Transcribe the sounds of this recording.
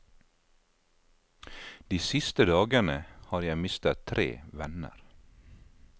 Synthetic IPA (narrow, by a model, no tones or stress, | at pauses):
d̪̥iːsɪst̪əd̪ɑːɡənəhɑːɾjæɪmɪst̪ət̪ʰɾḛːʋɛnə̰ɾ